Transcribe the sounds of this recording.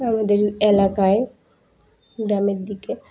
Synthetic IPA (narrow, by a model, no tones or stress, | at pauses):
amad̪eɾelakae | ɖameɾd̪ike